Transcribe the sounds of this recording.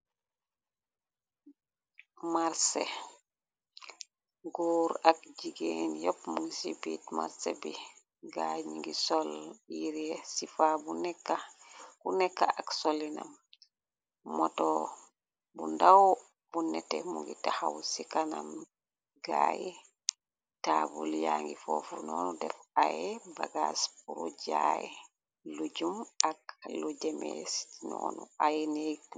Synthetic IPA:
maɾsɛ | ɡuɾakd͡ʒiɡenjɔpmuŋɡisibitma̰ɾsɛbi | ɡaɲiŋɡisɔljiɾiɛsifabunɛkːaɡunɛkːaaksɔlina̰m | mɔtɔ | bundaw | bunːɛtɛmuŋɡitahawsikanam | ɡaːjɛ | tabuljaŋɡifɔfunɔːnɔdɛfajɛbaɡaspuɾud͡ʒajɛ | lud͡ʒumaklud͡ʒɛmɛsi̥inɔnɔajɛne

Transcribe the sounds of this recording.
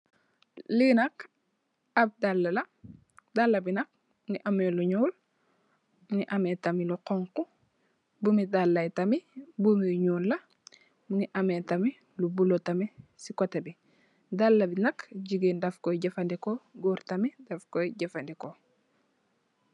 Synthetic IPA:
linɐk | ab̚dalːɐlɐ | dalːɐbinɐk̚ | niʔameluɲuːl | muŋiʔɐmetɐmiluqoŋku | bumidalːajtɐmibumijuɲuːlːɐ | muniʔametami | lubulotɐmisikotebi | dalːɐbinɐkɟiɡeːndafkojɟɐfandekoɡuːɾtɐmidafkojɟefandeko

